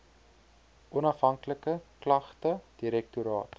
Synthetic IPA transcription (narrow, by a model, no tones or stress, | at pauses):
ʔɔnɐfɦɐŋkləkəklɐχtəd̥iɾɛk̚tuɾɑ̰ːt